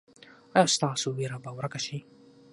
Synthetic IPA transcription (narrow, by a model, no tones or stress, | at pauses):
ajast̪ɑːsuwiɾabawɾakaʃi